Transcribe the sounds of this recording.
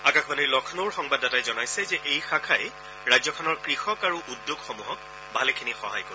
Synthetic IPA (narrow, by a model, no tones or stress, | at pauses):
akakʰbanilɔkʰnoɹxɔŋbadatajzɔnajsɛzɛʔejxakʰajɛ | ɹajzɔkʰɔnɔɹkɹixɔkaɹuʔudjoɡxɔmuɦɔk̚ | bʱalɛkʰinixɔɦa̰jkɔ